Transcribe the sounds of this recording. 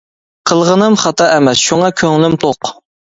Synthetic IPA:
qʰəlˠʁənɨmχɑt̪ɑʔɛmɛsʃuŋɑkʲʰøŋlɪmt̪ʰoq

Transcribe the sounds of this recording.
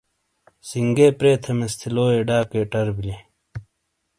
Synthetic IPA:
siŋɡeːpɾeːt̪ʰɐmest̪ʰiloːeːɖaːkeːʈɐɾbile

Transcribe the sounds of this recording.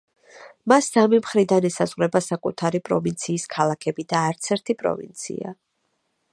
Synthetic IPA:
masːamimχɾid̪anɛsazʁɾɛbasakʼṵt̪ʰaɾipʼɾɔvint̪sʰiːskʰalˠakʰɛbid̪aːɾt̪sʰɛɾt̪ʰipʼɾɔ̰vḭnt̪sʰḭa̰

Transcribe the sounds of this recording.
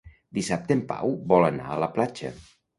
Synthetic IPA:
d̪isap̚t̪empa̰wbɔlˠəna̰ələplad͡ʒə̰

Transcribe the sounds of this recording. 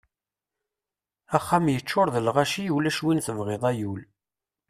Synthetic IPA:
æχːæmjət͡ʃːʊɾðəlʁæʃijulæʃwinθəmʁeðˤæjul

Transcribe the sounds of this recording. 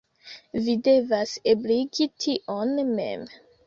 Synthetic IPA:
vide̞vasebliɡitʰiʔonme̞̰m

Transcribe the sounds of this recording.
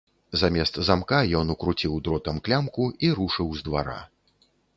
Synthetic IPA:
zamʲɛst̪zamkajɔnukɾut͡sʲiwd̪ɾɔt̪ɐmklʲamkuiɾuʂɨwzd̪vaɾa̰

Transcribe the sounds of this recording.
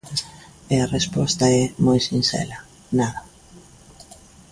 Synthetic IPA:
earespɔst̪aɛmɔjsinsɛ̰la | naða

